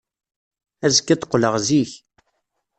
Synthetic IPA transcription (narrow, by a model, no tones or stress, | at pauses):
æzəkːæt̪qːləʁziç